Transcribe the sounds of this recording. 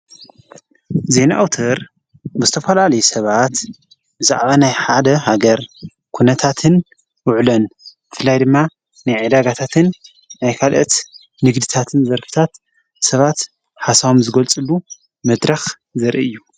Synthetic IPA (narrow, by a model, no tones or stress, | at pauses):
zenaʔawt̪ʰɐɾ | bɨzɨt̪ʰɐfɐlalɐjusɐβat̪ | bɨza̰ʕβanajħad̪ɐhaɡɐɾ | kʰunɐt̪ʰat̪ʰɨn | wʊʕlɐnbɨfɨlːajd̪ɨmːa | najʕɨd̪aɡat̪ʰat̪ʰɨnː | ajkʰalʔɐt̪ | nɨɡd̪ɨt̪ʰat̪ʰɨnzɐɾfɨ̥t̪ʰat̪ | sɐβat̪ | ħasaβomzɨɡɐlt͡sʼɨlːu | mɐd̪ɾɐx | zɐɾʔɨjːu